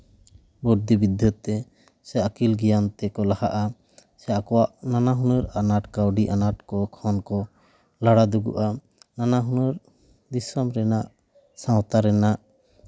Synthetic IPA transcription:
bɔɾd̪ibid̪ʱət̪ːɛ | sɛakilɡɛjant̪ɛkɔlahaʔa | sɛakɔwaʔnanaɦunəɾanaʈkawɖiʔanaʈkɔkʰɔnkɔ | laɽad̪uɡṵʔa | nanaɦunəɾ | d̪isɔmɾɛnaʔ | sãwt̪aɾɛnaʔ

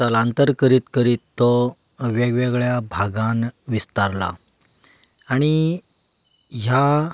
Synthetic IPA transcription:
alant̪əɾkəɾiːt̪kəɾiːt̪ːɔ | ʋeɡʋeɡɭjabʱaɡãnʋist̪aɾla̰ | ɽ̃i | ɦja

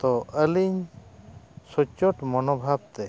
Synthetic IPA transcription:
t̪ɔʔəliɲ | sɔt͡ʃɔʈmɔnɔbʱab̚t̪ɛ

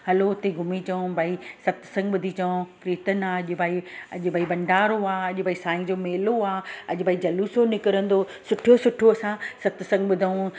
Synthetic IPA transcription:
ɦɐloʊt̪eɡʱʊmit͡ɕɐõbʱaːisɐt̪sɐ̃ŋɡɓʊd̪ʱit͡ɕɐ̃pɾiːt̪ənaːɐʄʊbʱaːiɐʄʊbʱaːibɐ̃ɳɖaːɾoaːɐʄʊbʱaːisaːɪ̃ŋd͡ʑoːmeːloaːɐʄʊbʱaːid͡ʑɐluːsonɪkɪɾə̃nd̪o | sʊʈʰijosʊʈʰoɐsãsɐt̪sɐ̃ŋɡɓʊd̪ʱaũ

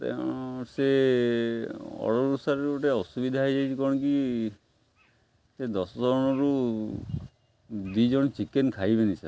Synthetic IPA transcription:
t̪ḛse | ɔ̰ɽɔɾusaɾɔɾoʈeɔsubid̪ʱaaid͡ʒajt͡ʃʰikɔɽ̃ɔki | sed̪ɔsɔd͡ʒɔɽ̃ɔɾu | d̪id͡ʒɔɽ̃t͡ʃikenkʰajbenisa̰

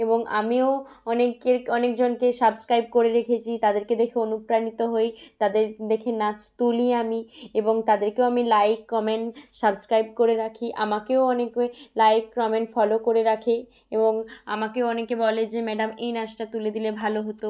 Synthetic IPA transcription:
eboŋa̰mio | ɔnekeɾɔnekd͡ʑonkesəbskɾajb̚koɾeɾekʰet͡ɕʰit̪ad̪eɾked̪ekʰeonupɾanit̪oɦojt̪ad̪eɾd̪ekʰenat͡ɕt̪uliamieboŋt̪ad̪eɾkeoamilajkːɔmeɳʈsabskɾajb̚koɾeɾakʰiʔa̰makeoɔneklajkːɾɔmeɳʈfɔlokoɾeɾakʰe | eboŋa̰makeoɔnekebɔled͡ʑemɛɖamejnasʈat̪uled̪ilebʱaloɦot̪o

